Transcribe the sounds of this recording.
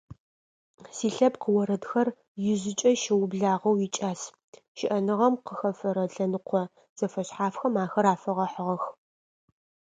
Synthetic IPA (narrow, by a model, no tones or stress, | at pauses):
siːɬɐbqəwɔɾɐdxɐr | jɪʑɪt͡ʃʼɐʃɪwʊbɮaːʁɐwjɪt͡ʃʼaːs | ʃɪʔɐnɨʁɐmqəxɐfɐɾɐɮɐnɨqʷʰɔ | z̥ɐfɐɕħaːfxɐmaːxɐɾaːfɐʁɐħəʁɐx